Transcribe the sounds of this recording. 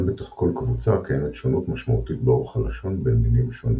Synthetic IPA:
bet̪o̞χko̞lkvut͡sakajemet̪ʃonut̪maʃmaut̪it̪̚baoχalaʃo̞nbemilimʃo̞ni

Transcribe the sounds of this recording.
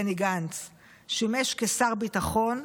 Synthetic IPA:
eniɡant͡s | ʃimeʃkesaʁbitaχo̞n

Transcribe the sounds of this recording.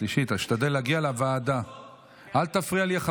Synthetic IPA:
liʃit̪aʃt̪ad̪elːeaɡialavaːd̪a | ʔalt̪afʁialiaχ

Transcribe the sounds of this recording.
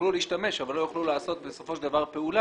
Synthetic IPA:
luleiʃtame̞ʃavalːo̞joχlulaːso̞t̪̚beso̞fo̞ʃed̪avaʁpe̞ula

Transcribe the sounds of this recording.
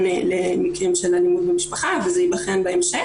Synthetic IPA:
elemikʁimʃelalimud̪̚bemiʃpaχavezejibaχenbeemʃe

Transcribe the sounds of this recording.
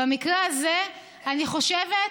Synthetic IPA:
amikʁeaze | aniχo̞ʃeve

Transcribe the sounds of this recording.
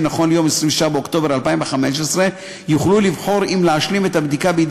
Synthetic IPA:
naχo̞nljo̞mesʁimveʃabeokt̪o̞be̞ʁalpaimveχameʃ̬esʁe | juχlulivħo̞ʁimleaʃlimet̪abd̪ikabeid̪

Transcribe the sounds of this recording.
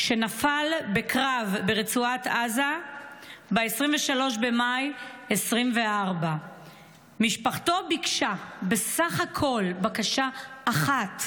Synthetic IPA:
ʃe̞nafalbe̞kʁavbeʁet͡suataza | beesʁiɱveʃalo̞ʃbe̞majesʁimve̞ʔaʁba | miʃpaχto̞bikʃabe̞saχhakʰo̞lbakaʃaːχat

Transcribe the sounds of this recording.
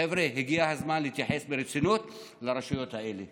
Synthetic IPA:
evɾeɦiɡiahazmanleit̪jaħe̞sbeɾet͡sinut̪ | laɾeʃujo̞t̪hae̞le

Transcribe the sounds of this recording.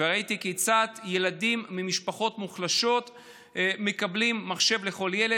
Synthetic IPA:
eʁait̪ikejt͡sat̪je̞ladimːimiʃpaχo̞tmuχlaʃo̞t̪ | me̞kablimːaχʃe̞vle̞χo̞ljele

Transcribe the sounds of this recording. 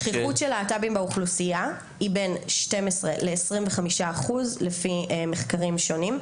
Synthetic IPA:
χiχutʃelaːtabimbeuχlusia | ibenʃte̞mesʁḛleːsʁimveχamiʃaːχuzlefimeχkaʁimʃo̞nim

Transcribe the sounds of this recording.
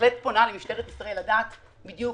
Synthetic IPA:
lettponalemiʃteʁet̪i̥sʁaeladaːt̪ | bid̪ju

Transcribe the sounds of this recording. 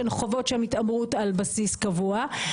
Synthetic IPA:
elχo̞vo̞tʃmitamʁutalbasiskavua

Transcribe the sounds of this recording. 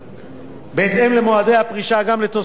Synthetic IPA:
beːt̪emlemoad̪e̞jhapʁiʃaɡamlet̪o

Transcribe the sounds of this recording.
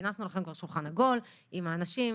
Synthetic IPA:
nasnulaχe̞mkvaʁʃulχanaɡo̞limaːnaʃim

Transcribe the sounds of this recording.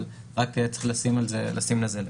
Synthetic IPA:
l | ʁaket͡sχlasimalzelasimlazel

